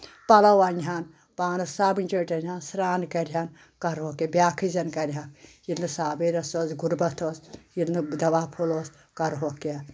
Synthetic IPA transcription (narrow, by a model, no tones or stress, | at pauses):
pɐlɐwɐnʲɦan | paːnɐsaːbinʲt͡ʃeːʈʲɐnʲɦaːnsɾaːnkɐɾʲɦan | kɐɾɦokebʲjaːkʰizɐnkɐɾʲɦakjilnɨsaːbeɾɐsoːzɡuɾbɐt̪ʰoːsjilnɨd̪ɐʋaːpʰoloːs | kɐɾɦoke